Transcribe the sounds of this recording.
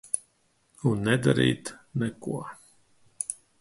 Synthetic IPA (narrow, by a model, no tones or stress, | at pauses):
unnːɛd̪a̰ɾḭːt̪nɛkuɔ